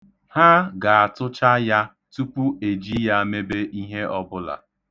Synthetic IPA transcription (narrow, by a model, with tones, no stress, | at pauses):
ha˦ɡa˨a˨tʊ˦t͡ʃa˦ja˦ | tu˦pu˦e˨d͡ʒi˦ja˦me˦be˦ʔi˦ɦe˦ɔ˦bʊ˦la̰˨